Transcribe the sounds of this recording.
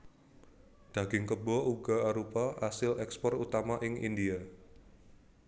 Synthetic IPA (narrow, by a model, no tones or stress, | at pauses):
d̪̥a̤ɡ̥ɪŋkəbɔʔuɡaaɾopaʔasɪlɛkspɔrut̪amaʔɪŋḭndia